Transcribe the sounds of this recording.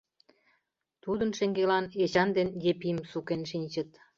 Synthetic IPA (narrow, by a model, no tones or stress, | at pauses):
t̪ud̪ə̆nʃĕŋɡelɑnet͡ɕɑnd̪enjepiəmsukenʃinʲt͡ɕə̆t̪